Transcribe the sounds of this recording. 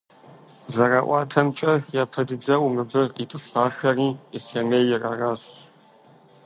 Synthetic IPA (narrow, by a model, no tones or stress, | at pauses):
zɐraːʔʷɑaːtʰɐmt͡ʃʼɐjaːpʰɐdɨdɐwmɨbɨritʼɨɬaːxɐriːesɐmeːjɪrɐraːs